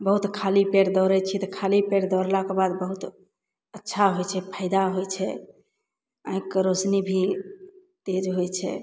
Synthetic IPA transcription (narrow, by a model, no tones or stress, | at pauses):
bəɦut̪kʰalipeɽd̪ɔɾɛt͡ʃʰit̪ɔkʰalipeɽd̪ɔɾlakebad̪bəɦut̪ | ətːʃʰaɦojt͡ʃʰɛpʰaɪd̪aɦojt͡ʃʰɛ | aɦĩkːeɾosnibʱi | t̪ed͡ʒɦojt͡ʃʰɛ̰